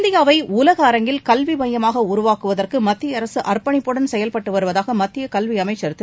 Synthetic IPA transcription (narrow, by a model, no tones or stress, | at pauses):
nd̪ɪjaːʋɐɪʊlɐɣɐːɾɐŋɡɪlkɐlʋibɐjɐmaːɣɐʊɾʊʋaːkɯʋɐðɐrkɯmɐt̪ːɪjɐːɾɐsɯʔɐrpɐɳɪpːɔɽɐnsɛjɐlpɐʈːɯʋɐɾɯʋɐðaːɣɐmɐt̪ːɪjɐkɐlʋiɐmɐɪt͡ʃːɐɾɯt̪ːɯ